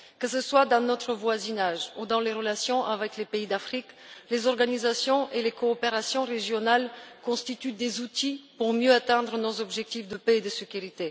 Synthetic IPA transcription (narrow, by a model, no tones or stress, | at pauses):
kəsəswad̪ɑ̃nɔt̪χəvwazinaʒud̪ɑ̃leʁəlasjɔ̃ʔavɛklepeid̪afχiklezɔʁɡanizasjɔ̃ʔelekɔːpeʁasjɔ̃ʁeʒjɔnalkɔ̃st̪it̪yd̪ezut̪ipuʁmjøat̪ɛ̃d̪ʁənozɔbʒɛk̚t̪ifd̪əpeːd̪əsekʲyʁit̪e